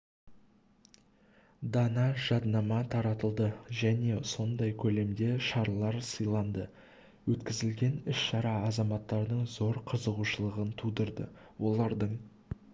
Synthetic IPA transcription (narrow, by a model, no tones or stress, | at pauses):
d̪ɑnɑʒ̥ɑd̪nɑmɑt̪ʰɑɾɑt̪əlˠd̪əʒæne̞so̞nd̪ɑjkʲʰɵle̞md̪e̞ʃɑɾlˠɑɾsəjlˠɑnd̪ə | wɵt̪kʲɪzɪlɡʲe̞nɪsʃɑɾɑɑzɑmɑt̪ːɑɾd̪əɴzo̞ɾqʰəzəʁuʃəlˠəʁənt̪ʰud̪əɾd̪ə̰ | wʔo̞lˠɑɾd̪əɴ